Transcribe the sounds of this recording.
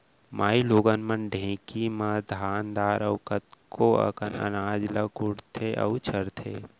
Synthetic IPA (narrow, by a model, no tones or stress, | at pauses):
maːiloːɡənmənɖʱẽːkimad̪ʱaːnd̪aːɾɐkɐt̪kʰoɐ̰kənɐ̰naːd͡ʒlɐkʊɽt̪ʰeʔɐ̰wt͡ʃʰəɾt̪ʰḛː